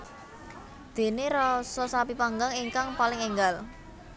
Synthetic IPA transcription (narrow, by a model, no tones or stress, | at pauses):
d̪̥e̤neɾɔsɔsapipaŋɡaŋiŋkaŋpalɪŋeŋɡal